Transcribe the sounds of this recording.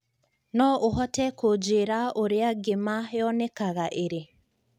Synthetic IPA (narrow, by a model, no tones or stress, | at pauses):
nɔʔoɦɔtɛkod͡ʒeɾaoɾeaɡemajɔnɛkaɣaʔeɾe